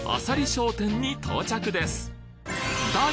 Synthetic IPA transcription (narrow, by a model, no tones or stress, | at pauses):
a̰saɾʲiɕo̞ːt̪ẽ̞ɲ̟ːit̪ʰo̞̰ːt͡ɕakɯ̟d̪e̞sɨ̥ | d̪a